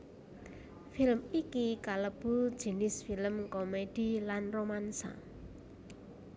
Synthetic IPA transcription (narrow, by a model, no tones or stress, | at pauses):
filəmikikaləb̥ṳd̥ʒ̥i̤nɪsfiləmkomed̥i̤lanromansa̰